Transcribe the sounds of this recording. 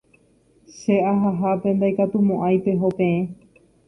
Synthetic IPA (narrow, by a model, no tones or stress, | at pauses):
ʃe̞ʔaɦaɦapẽ̞nd̪ajkat̪umõʔajpe̞ɦo̞pẽ̞ẽ